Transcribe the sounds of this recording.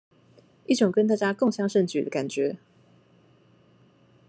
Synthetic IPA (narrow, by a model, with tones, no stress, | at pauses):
i˥˩ʈ͡ʂʊ˨˩ŋkə˥˦nt̪a˥˩t͡ɕja˥ko˥˨ŋɕjɑ˥ŋʂə˥˨˩ŋt͡ɕy̰˨d̪ə˦ka˨˩nt͡ɕɥɛ˨˦